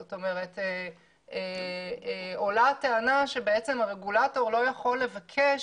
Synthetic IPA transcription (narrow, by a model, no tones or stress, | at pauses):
oto̞me̞ʁete | e | o̞lateanaʃebeet͡se̞maʁeɡulato̞ʁlo̞jaχo̞lːe̞vakʰe